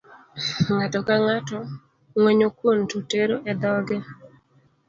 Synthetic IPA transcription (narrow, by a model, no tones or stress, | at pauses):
ŋatɔkaŋatɔ | ŋweɲokwontuteɾoʔɛd̪ɔɡɛ